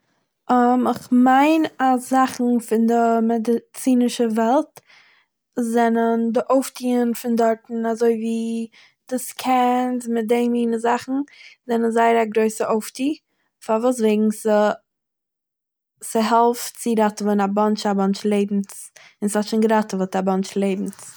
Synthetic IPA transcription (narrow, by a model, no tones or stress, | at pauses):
ɔmɪχmaɪnaszaχn̩fɪndɪmɛdɪt͡siːnɪʃəvɛlˠt | zɛnəndɪʔoʊftʰiːənfɪndɔɾtn̩azoɪviː | d̥uskʰɛnsmɪt̚deɪmiːnəzaχn̩zɛnənzaɪəɾaɡɾoɪsəʔoʊftiː | faɾvuːs̬veɪɡŋ̩sə | sɪɦɛlˠft͡sɪɾatəvɛnabɔnt͡ʃabɔnt͡ʃlˠeɪbm̩s | ɪnshɔtʃɪnɡɾatəvɔtabɔnt͡ʃlˠeɪbm̩s